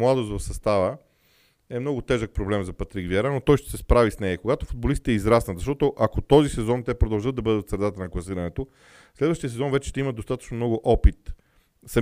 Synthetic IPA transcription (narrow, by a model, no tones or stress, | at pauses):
mlˠad̪ost̪vɐfsɐst̪avə | ɛmnɔɡʊt̪ɛʒək̚pɾoblɛmzɐpɐt̪ɾiɡvjɛɾanot̪ɔjʃt̪ɛ̥sɛspɾavisnɛjəkoɡat̪ofʊd̪bolist̪it̪ɛizɾasnət̪zɐʃt̪ɔt̪oʔɐkot̪ɔzisɛzɔnt̪ɛpɾod̪ɐlˠʒɤd̪ɐbɤd̪ət̪sɾɛd̪at̪ənɐklˠɐsiɾɐnɛt̪o | slɛd̪vəʃt̪iəsɛzɔnvɛt͡ʃɛ̥ʃt̪ɛiməd̪ost̪at̪ə̥t͡ʃnomnɔɡʊʔɔpit̪ | sɐm